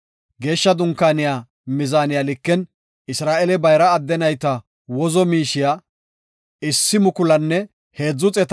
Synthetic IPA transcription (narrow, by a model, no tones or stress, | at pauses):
ɡe̞ːʃːɐd̪ʊŋkːaːnɪjaː | mɪzaːnɪjaːlɪkːɛn | ɪsɾaːʔɛlɛbɐjɾɐːd̪ːɛnɐjt̪ɐ | wɔzɔmiːʃɪjaː | ɪsːɪmʊkʊlɐnːɛ | he̞ːd͡zːʊt͡sʼɛt̪